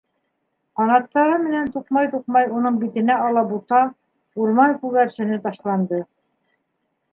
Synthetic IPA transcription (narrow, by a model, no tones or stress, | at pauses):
qɑnɑt̪ːɑɾɤmɘ̆nænt̪uqmɑjt̪uq̚mɑjunɤɴbit̪ɘ̆næɑlˠɑbut̪ɑ | uɾmɑŋkʉɣɡæɾʃɘ̆nɘt̪ɑʃlˠɑnd̪ɤ